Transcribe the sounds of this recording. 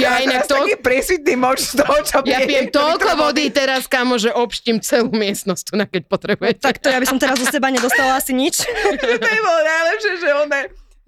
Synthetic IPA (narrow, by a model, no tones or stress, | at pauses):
jainakt̪ɔakiːpɾɪɛsʋit̪̚niːmɔt͡ʃst̪ɔt͡ʃɔpjapijɛmt̪ɔlkɔʋɔd̪iːt̪ɛɾaskamɔʒɛʔɔpʃcimt͡sɛluːmɪɛst̪nɔst̪unakɛc̚pɔt̪ɾɛbujɛt̪akt̪ɔjabisɔmt̪ɛɾazɔsɛbaɲɛd̪ɔst̪alaasiɲit͡ʃ̪ | bɔlɔnaɪlɛpʃɪɛʒɛɔnɛ